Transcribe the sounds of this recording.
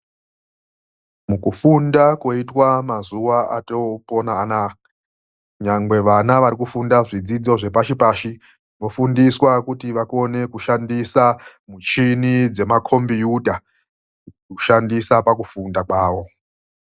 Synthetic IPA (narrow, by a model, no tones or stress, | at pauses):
mukufundako̞itwamazuʋaa̰toponaːna | ɲaŋɡwe̞ʋanaʋaɾikufundaʐid͡zid͡zo̞ʐe̞paʃipaːʃi | ʋo̞fundiswakutiʋako̞ne̞kuʃandisamut͡ʃinid͡ze̞makʰo̞mbijudʱa | uʃandisapak̬ufundakwaːʋo̞